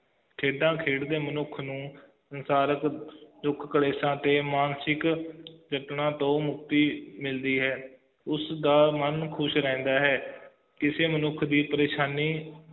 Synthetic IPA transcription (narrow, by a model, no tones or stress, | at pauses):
kʰeːɖãːkʰeːɽd̪eːmənʊkʰnũː | sənsaːɾəkd͡ʒʊkʰkəɽeːsãːt̪eːmaːnsɪkd͡ʒəʈnãːt̪õːmʊkt̪iːmɪld̪iːɦɛː | ʊsd̪aːmənkʰʊʃɾɛ̃ːnd̪aːɦɛː | kɪseːmənʊkʰd̪iːpəɾeːʃaːniː